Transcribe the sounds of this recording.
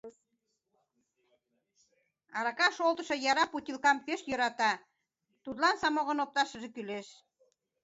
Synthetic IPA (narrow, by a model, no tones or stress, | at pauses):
ɑɾɑkɑʃolˠt̪ə̆ʃɤ̆jɑɾɑput̪ʲilkɑmpeʃjøɾɑt̪ɑ | t̪ut̪lɑnsɑmoɣə̆nop̚t̪ɑʃə̆ʒekyleʃ